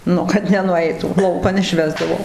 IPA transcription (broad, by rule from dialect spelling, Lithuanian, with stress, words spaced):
ˈnʊ kɐt nʲɛnʊˈɛɪtuː ˈlˠɐʊkɐn ɪʃʲˈʋʲæːzdɐʋoː